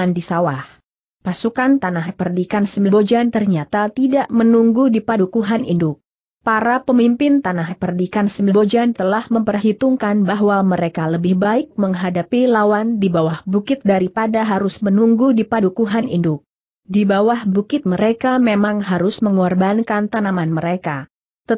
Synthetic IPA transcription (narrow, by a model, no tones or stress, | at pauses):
andisawah | pasukant̪anaɦpərdikansəmilabod͡ʒant̪ərɲat̪at̪idaʔmənuŋɡudipadukuɦanʔḭndʊk̚ | paɾapəmimpɪnt̪anaɦpərdikansəmbilbod͡ʒant̪əlahməmpərɦit̪uŋkanbaɦwaməɾekaləbɪhbaɪk̚məŋɦadapilawandibawahbukɪt̪̚daɾipadaɦaɾʊsmənuŋɡudipadukuɦanḭndʊk̚ | dibawahbukɪt̪̚məɾekamemaŋɦaɾʊsməŋɔrbankant̪anamanməɾeka | t̪ə